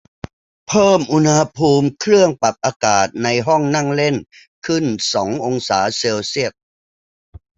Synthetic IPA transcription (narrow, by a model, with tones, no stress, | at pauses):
pʰɤː˥˩mʔu˧nha˧pʰuː˧mkʰɾɯ˥˩əŋpa˨˩p̪̚ʔaː˧kaː˨˩t̪̚na˧jɦɔ˥˩ŋna˥˩ŋle˥˩n | kʰɯ˥˩nsɔː˩˦ŋʔo˧ŋsaː˩˦seː˧wsi˥˩ət̪̚